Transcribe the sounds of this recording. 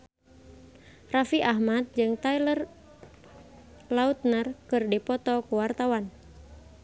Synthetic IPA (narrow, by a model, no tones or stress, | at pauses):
rafiʔaɦmat̪̚d͡ʒɨŋt̪ailər | laut̪̚nərkɨrdipɔt̪ɔkuwart̪awan